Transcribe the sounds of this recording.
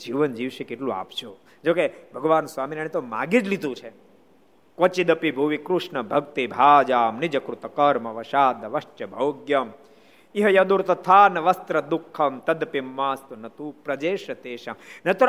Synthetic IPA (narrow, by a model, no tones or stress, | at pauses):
d͡ʒiːʋənd͡ʒiʋʃekeʈlũa̰ːpt͡ʃʰo | d͡ʒoːkebʱɐɡʋaːnsʋaːminaɳ̃et̪oma̰ːɡid͡ʒlid̪ũt͡ʃʰe | kʋɐt͡ʃid̪ɐpibʱuʋikɾuʃnɐbʱɐɡt̪ibʱaːd͡ʒaːmnid͡ʒɐkɾut̪ɐkɐɾmɐʋɐʃaːd̪ɐʋɐʃt͡ʃɐbʱɐwɡjɐm | iɦɐjɐd̪uɾt̪ɐt̪ʰaːnɐʋɐst̪ɾɐd̪ukʰːɐmt̪ɐd̪pimːaːst̪unɐt̪uːpɾɐd͡ʒeːʃɐt̪eːʃamnɐt̪u